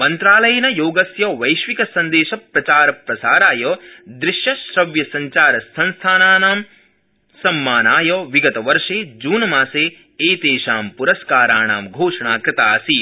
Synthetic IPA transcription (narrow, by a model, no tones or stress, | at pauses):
mɐnt̪ɾaːlɐjɐnɐjoːɡɐsjɐːʋɐjʃʋikɐsɐnd̪eːʃɐpɾɐt͡ʃaːɾɐpɾɐsaːɾaːjɔːd̪ɾɪʃjɐʃɾɐʋjɐsɐɲt͡ʃaːɾɐsɐnst̪ʰaːnaːnaːm | sɐmːaːnaːjɔːʋiɡɐt̪ɐʋɐɾʂeːd͡ʒuːnɐmaːseː | eːt̪eːʃaːmpuɾɐskaːɾaːnaːmɡʱoːʂɐɳaːkɾɪt̪aːsi